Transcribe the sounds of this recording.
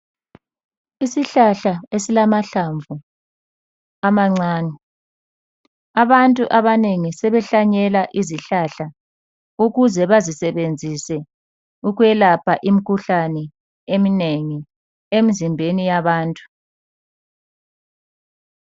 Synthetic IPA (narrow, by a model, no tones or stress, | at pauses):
isiɬaɬaesilamaɬaɱvu | amaŋ͡ǀaːni | aβantʼuʔaβaneŋisɛβɛɬaɲɛlaʔiziɬaɬa | uɣuzɛβazisɛβend͡zʱisɛ | uɣwɛlapʰaʔim̩kʰuɬanɛ | emineŋi | emizimbʱenijaβaːntʼu̥